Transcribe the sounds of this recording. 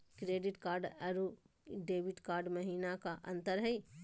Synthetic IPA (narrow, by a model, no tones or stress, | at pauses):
kɾeːɖɪʈkaːɾɖəɾu | ɖeːʋɪʈkaːɾɖmɐɦiːnakaʔɐ̃nt̪əɾɦɛi